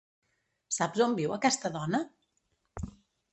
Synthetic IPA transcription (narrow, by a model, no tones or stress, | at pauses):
sapzombiwəkɛst̪əðɔnə